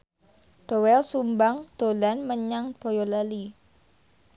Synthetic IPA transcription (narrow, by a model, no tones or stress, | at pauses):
d̪̥owɛlsumbaŋd̪̥olanməɲaŋb̥ojolali